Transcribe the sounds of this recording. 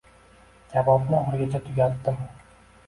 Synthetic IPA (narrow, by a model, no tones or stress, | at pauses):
kʲʰavɒbnɪɒɾɡʲat͡ʃʰat̪ʰʊɡʲat̪d̪ːɪm